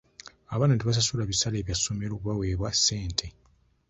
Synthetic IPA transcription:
aβaːnateβas̬asulaβisale̞ːβjasːo̞me̞ɾo̞ːkuβawe̞ːβwase̞ːntʰe̞

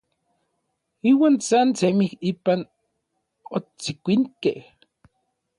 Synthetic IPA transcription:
iːwaːnsant͡semihiːpan | ot͡sikʷiŋkḛh

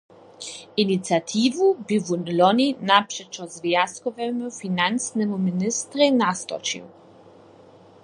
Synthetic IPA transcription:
init̪sʲjat̪ʰivubivunlɔnʲinapʂɛt͡ʃɔzvjaskɔvɛmufinansnɛmuminɪst̪ɾɛnast̪ɔ̰t͡ʃḭuw

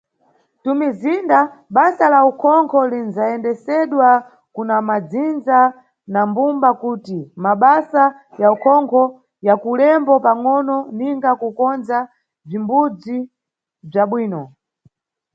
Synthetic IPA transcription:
tumizindaɓasalaukʰɔŋkʰɔlinzaɛndɛsɛɗwa | kunamad͡zind͡za | nambumbakuːtimaɓasa | jaukʰɔŋkʰɔ | jakulɛmbɔpaŋɔnɔniŋɡakukɔnd͡za | b͡ʐimbud͡zi | b͡ʐaɓwiːnɔ

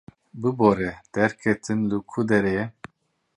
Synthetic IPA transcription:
bɨboɾɛd̪̥ɛɾkʰɛt̪ʰɨnlukʰud̪ɛɾɛjɛ

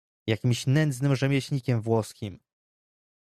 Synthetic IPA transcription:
jakʲimɕnɛnd̪znɘmʐɛmʲjɛɕɲikʲɛmvwɔskʲim

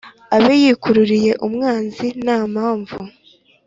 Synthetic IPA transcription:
aβejikuɾuɾije̞ʔumŋaːnzinaːmaːɱvu

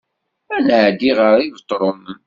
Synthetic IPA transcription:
ænəʕd̪iʁəɾˤivət̪ˤːɾˤomən

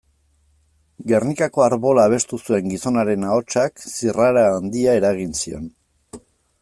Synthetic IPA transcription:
ɡe̞rnikako̞aɾβo̞laːβ̞e̞st̪usue̞ŋɡiso̞naɾe̞nao̞t͡ʃaksiraɾaːnd̪iae̞ɾaɣ̞insio̞̰n

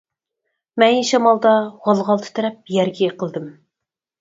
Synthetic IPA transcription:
mɛnjiʃɑmɑlˠd̪ɑʁɑlˠʁɑlˠt̪ʰɨ̥t̪ʰæɾɛp̚jæɾɡʲɛqʰəlˠd̪ɨm

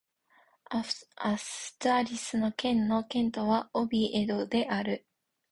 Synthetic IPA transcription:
asɨ̥t̪ːɾʲisɨno̞kẽ̞nːo̞kẽ̞nt̪o̞βaobʲiʔed̪od̪e̞ʔaɾɯ̟

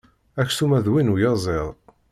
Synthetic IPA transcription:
æçθumæðwinujɑzˤeðˤ

